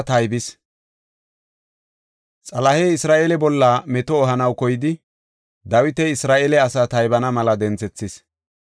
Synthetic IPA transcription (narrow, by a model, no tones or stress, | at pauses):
t̪ɐjbɪs | t͡sʼɐlɐhɛːɪsɾaːʔelɛbɔlːɐmɛt̪ɔːɦɐnɐwkɔjɪd̪ɪ | d̪ɐwɪt̪ɛɪsɾaːʔelɛɐsaːt̪ɐjbɐnɐmɐlɐd̪ɛnt͡sɛt͡sːɪs